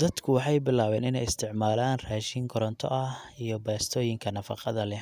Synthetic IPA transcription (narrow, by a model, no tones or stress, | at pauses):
d̪̥ɐd̪kʰʊwɑħɑjbɪlaːβɛːnɪnɛjɪst̪ʰɪʕmaːlaːnraːʃiŋɡʰɔɾɔnt̪ʰɔ̰ʔɐhijɞbɛːst̪ʰɔːjɪŋkʰɐnɐfɑ̰qɑðɐlɛ